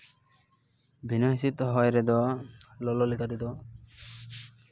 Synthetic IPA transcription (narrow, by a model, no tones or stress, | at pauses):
binasit̪ɔɦɔjɾɛd̪ɔlɔlɔlikʰat̪ɛd̪ɔ